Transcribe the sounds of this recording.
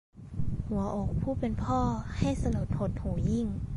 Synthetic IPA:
hu˩˦ɐʔoː˨˩k̚pʰuː˥˩pe˧npʰɔː˥˩ha˥˩jsa˧lu˨˩t̪̚ho˨˦˩t̪̚huː˨˩˦ji˥˩ŋ

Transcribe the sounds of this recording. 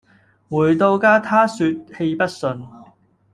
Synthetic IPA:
wuː˨˩jt̪o˧wkaː˥t̪ʰaː˥syː˧t̚he˧jpɐ˥t̚sɵ˧n

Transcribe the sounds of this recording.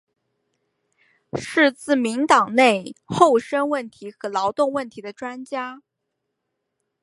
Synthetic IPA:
ʂɻ̩˥˧t͡sɹ̩˥˩mi˧˥ŋt̪ɑ˨˩ŋne˥˧ɪxo˥˩ʊʂə˥ŋwə˥˩nt̪ʰi˧˥xɤ˧˥lɑ˧˥ʊt̪ʊ˥˧ŋwə˥˩nt̪ʰi˧˥d̪ə˧ʈ͡ʂwa˥nt͡ɕja˥

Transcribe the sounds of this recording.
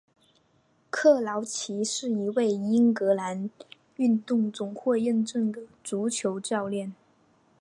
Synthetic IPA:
kʰɤ˥˩lɑ˧˥ʊt͡ɕʰi˧˥ʂɻ̩˥˩i˧˥we˥˩ɪi˥ŋkɤ˧˥la˧˥n | y˥˧nt̪ʊ˥˩ŋt͡sʊ˨˩ŋxwɔ˥˧jɛ˥˧nʈ͡ʂɤ˥˩ŋd̪ə˩t͡su˧˥t͡ɕʰjo˧˥ʊt͡ɕɑ˥˧ʊljɛ˥˩n

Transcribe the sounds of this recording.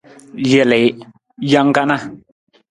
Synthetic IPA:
je˨le˨j | ja˦ŋ˦ka˦na˦

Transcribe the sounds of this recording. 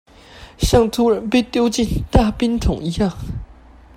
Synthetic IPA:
ɕjɑ˥˩ŋt̪ʰu˥ɻə˧˥npe˥˩ɪt̪jo˥ʊt͡ɕi˥˧˨nt̪a˥˩pi˥nt̪ʰʊ˨˩˦ŋi˧˥jɑ˥˩ŋ

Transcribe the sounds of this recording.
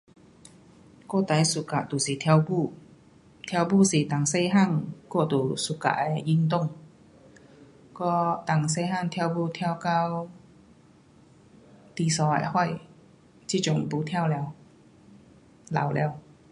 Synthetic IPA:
kɔ˥˧˨t̪a˨˥jsu˨ka˨ʔt̪u˨˩si˨˩t̪ʰbu˧˨ | t̪ʰja˧wbu˥˧˨si˨˩t̪a˨˩ŋse˧jɦa˥˨ŋkɔ˥˧˨t̪u˨˩su˨˩ka̰˨˩ʔɛ˧˩ji˧˥ŋt̪̬ʊ˥˧˨ŋ | kɔ˥˧t̪a˨˩ŋs̬e˧ha˥˧˨ŋt̪ʰjwbu˧˨t̪ʰja˧˥˧wka˧w | t̪i˧˩sɔ˧a̰˨˩jhɔ˥˩˨j | t͡ɕi˧˥˩t͡ɕʊ˧˩ŋpu˧˦t̪ʰjwlɛ˧w | la̰˨˩˦wlɛ˧˦w

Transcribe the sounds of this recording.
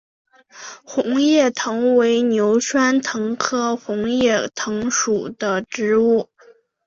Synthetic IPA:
xʊ˧˥ŋjɛ˥˩t̪ʰɤ˧˥ŋwe˧˥ɪnjo˧˥ʊʈ͡ʂʰwa˥nt̪ʰɤ˧˥ŋkʰɤ˥xʊ˧˥ŋjɛ˥˩t̪ʰɤ˧˥ŋʂu˨˩d̪ə˦ʈ͡ʂɻ̩˧˥u˥˩

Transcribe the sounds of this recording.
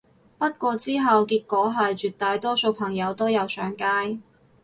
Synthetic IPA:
pɐ˥t̚kʷɔː˧t͡siː˥ɦɐ˨wkiː˧t̚kʷɔː˨˥ɦɐ˨jt͡ʃyː˨˩t̚t̪aː˨˧jt̪ɔː˥so˧wpʰɐ˨˩ŋjɐ˨˧wt̪o˥wjɐ˨˧wsœː˨˥ŋkaː˥j

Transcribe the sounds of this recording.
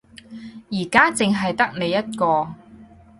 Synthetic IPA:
jiː˨˩kaː˥t͡sɪ˨ŋɦɐ˨jt̪ɐ˥k̚ne˨˧jːɐ˥t̚kɔː˧

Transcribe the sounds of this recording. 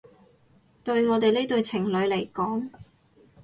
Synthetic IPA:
t̪ɵ˧ɥŋɔː˨˧t̪e˨jle˥t̪ɵ˨˧ɥt͡sʰɪ˨˩ŋlɵ˨˧ɥle˨˩jkɔː˨˥ŋ

